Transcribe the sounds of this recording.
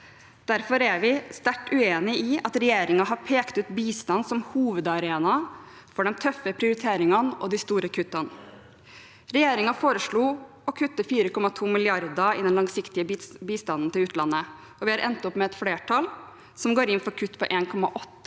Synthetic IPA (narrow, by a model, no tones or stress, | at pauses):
d̪̥æɾfɔɾæɾʋɪst̪æʈːʉeːnɪɪɑt̪ɾɛjeːɾɪŋɑɦɑɾpʰeːkt̪ʉːt̪biːst̪ɑnsɔmhuːʋəd̪ɑɾeːnɑ | fɔɖɛnt̪ʰœfːəpʰɾɪʊɾɪt̪ʰeːɾɪŋɑnɔ̰d̪ɪst̪uːɾəkʰʉt̪ːɑn | ɾɛjeːɾɪŋɑfoːɾəʂɭuː | ɔkʰʉt̪ːəfiːɾəkʰɔmːɑt̪ʰuːmɪlɪɑɾd̪ɑɪ̰d̪ɛnlɑŋsɪkt̪ɪəbiːst̪ɑnn̩t̪ɪlʉːt̪lɑnːə | ɔʋɪɑɾʔɛ̰nt̪ɔpmɛɛt̪fleːʈʰɑl | sɔmɡoːɾɪnfɔɾkʰʉt̪ːpɔʔeːnkʰɔmɑ̰ʔɔt̪ːə